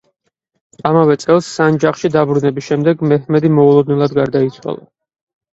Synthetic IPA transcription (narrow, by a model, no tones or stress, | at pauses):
amavɛt̪sʼɛlˠsːand͡ʒaχʃid̪abɾunɛbisʃɛmd̪ɛɡmɛhmɛd̪imɔulˠɔd̪̚nɛlˠad̪ɡaɾd̪ait̪sʰwa̰lˠa̰